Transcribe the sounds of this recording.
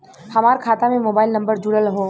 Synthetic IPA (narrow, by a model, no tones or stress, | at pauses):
hɐmaːɾkʰaːt̪amẽmoːbaːɪlnə̃mbəɾd͡ʒʊɽəlɦoː